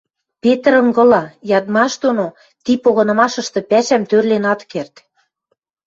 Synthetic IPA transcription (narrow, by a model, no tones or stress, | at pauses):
pet̪ə̆ɾɤ̆ŋɡɤ̆lɑjɑd̪mɑʃd̪ono | t̪ipoɣɤ̆nɤ̆mɑʃɤ̆ʃt̪ɤ̆pæʃæmt̪ørlenɑt̪kert̪